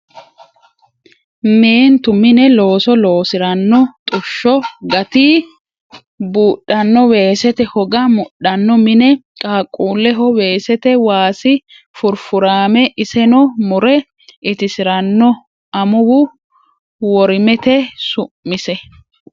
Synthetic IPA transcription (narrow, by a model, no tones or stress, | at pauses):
meːnt̪ʊmɪnɛlo̞ːsɔloːsɪɾɐnːɔt̪ʼʊʃːɔɡɐt̪i | buːɗːɐnːɔwe̞ːsɛt̪ɛhɔɡɐmʊɗɐnːɔmɪnɛ | kʼaːkʼːuːlɛɦɔweːsɛt̪ɛwaːsɪ | fʊɾfʊɾaːmɛʔɪsɛnɔmʊɾɛ | ʔɪt̪ɪsɪɾɐnːɔ | ɐmʊwʊ | wɔɾɪmɛt̪ɛsʊːɪsɛ